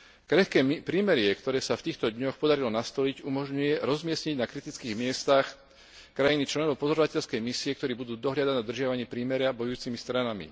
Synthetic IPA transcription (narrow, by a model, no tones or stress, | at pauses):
kɾɛxkɛːpɾiːmɛɾɪɛkt̪ɔɾɛːsaft̪iːxt̪ɔd̪ɲɔxpɔd̪aɾilɔnast̪ɔliɟumɔʒɲujɛɾɔzmɪɛsɲiɟnakɾit̪it͡skiːɣmɪɛst̪ax | kɾajinit͡ʃlɛnɔʋɔpɔzɔɾɔʋacɛʎskɛjmisiɛkt̪ɔɾiːbud̪uːd̪ɔɦʎad̪anad̪ɾr̩ʒɪaʋaɲɪɛpɾiːmɛɾɪabɔjuːt͡simist̪ɾanamḭ